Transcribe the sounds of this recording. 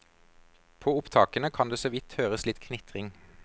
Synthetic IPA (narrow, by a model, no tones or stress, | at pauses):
pʰoːʊpt̪ʰɑːkənəkʰɑnd̪eːsoːʋɪt̪høːʁəslɪt̪kʰnɪt̪ʁɪŋ